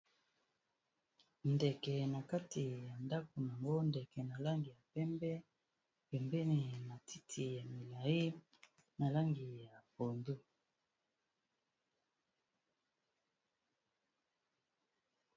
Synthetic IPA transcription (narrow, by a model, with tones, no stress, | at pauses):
ndɛ˨kɛ˨na˨ka˦ti˨ja˨nda˦ko˨n˨a˨ŋɡo˦ndɛ˨kɛ˨na˨la˦ŋɡi˨ja˨pɛ˦mbɛ˦ | pɛ˨mbɛ˦ni˨na˨ti˦tʰi˨ja˨mi˨la˨i˦ | na˨la˦ŋɡi˨ja˨po˨ndu˦